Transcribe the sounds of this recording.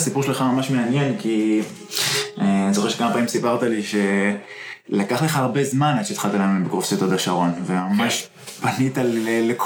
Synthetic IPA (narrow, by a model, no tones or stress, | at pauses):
sipuʁʃeχamamaʃme̞anje̞nki | anizoχe̞ʁʃekamapaːmimsipaʁt̪aliʃe̞ | lakaχleχaːʁbe̞zmanad̪ʃetχalt̪alaembekʁofsit̪od̪aʃaʁo̞nvemamaʃ | banitalelek